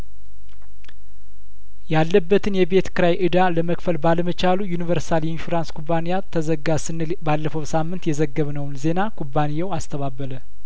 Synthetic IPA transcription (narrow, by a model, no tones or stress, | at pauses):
jalːəbːət̪ʰɨnjɛbe̞t̪kɨɾajʔɨd̪aləməkfəlbaləmət͡ʃalujunivəɾssalɛnfuɾanskʰubːanijat̪ʰəzəɡːasɨnːɨ | balːəfəwsamːɨnt̪jɛzəɡːəβnəwnze̞nakʰubːanijawast̪ʰəβabːələ